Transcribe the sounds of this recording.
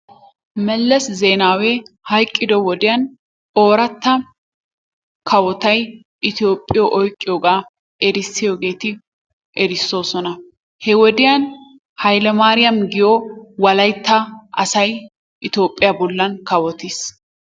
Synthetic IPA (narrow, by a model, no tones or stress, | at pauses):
mɛlːɐszeːnaːwehɐjkʼːɪd̪ɔwɔd̪ɪjɐn | oːɾɐt̪ːɐ | kʰɐwɔt̪ɐj | ʔɪt̪ɪjoːpʼːɪjɔʔɔjkʼːɪjoːɡaː | ʔɛɾɪsːɪjoːɡe̞ːt̪ɪ | ʔɛɾɪsːo̞ːsɔnɐ | hɛwɔd̪ɪjɐn | hɐjlɛmaːɾɪjɐmɡɪjowɐlɐjt̪ːɐʔɐsɐj | ʔɪt̪jo̞ːpʼːɪjɐbɔlːɐnkɐwɔt̪ɪs